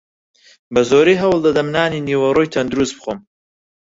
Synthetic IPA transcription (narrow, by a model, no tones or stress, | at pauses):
bɐzoːɾiːɦɐwlˠd̪ɐd̪ɐmnaːniːniːwɐrojt̪ʰɐnd̪uɾusbɨxom